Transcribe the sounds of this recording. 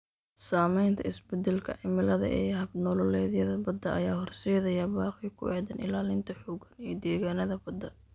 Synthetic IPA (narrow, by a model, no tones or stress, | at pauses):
saːmɛjnt̪ʰɐɪsbɛd̪ɛlkʰɐ̰ʕɪmɪlɐðɐ̰ʔɛ̰jɦɐbnɔlɔlɛːðjɐðɐbɐd̪ːɐɐjaːhɔrsɛːðɐjɐbaːqikʰʊ̰ɛd̪ɐnɪ̰laːlɪnt̪ʰɐħuːɡɐnijd̪ɛːɣaːnɐðɐbɐd̪ɐ